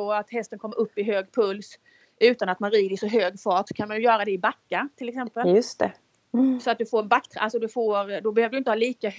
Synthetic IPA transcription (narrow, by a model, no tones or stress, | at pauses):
oat̪hɛst̪ənkʰɔmːʔɵpːɪɦøːɡpʰɵls | ʉ̟ːt̪anat̪manɾiːd̪ɪsɔɦøːɡfɑːʈsɔ̥kʰanmanj̪ɵjœːɾad̪ɛɪbakːat̪ʰɪlɛksɛmpəljɵst̪ɛ̰ | sɔat̪̚d̪ɵfoːɾnbakːt̪ʰɾʔa̰lsɔd̪ɵfoːɾd̪ɔbɛhøːvɾdɵʏɪnt̪əhɑːliːka